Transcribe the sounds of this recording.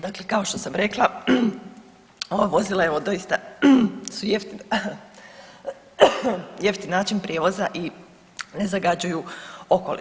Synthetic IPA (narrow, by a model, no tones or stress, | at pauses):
d̪akle̞kao̞ʃt̪o̞samɾe̞klˠa | o̞ʋaʋo̞zilˠae̞ʋo̞d̪o̞jist̪a | sujeft̪in | jeft̪inaːt͡ʃinpɾʲjeːʋo̞zaʔi | ne̞zaɡad͡ʑujuo̞kolḭ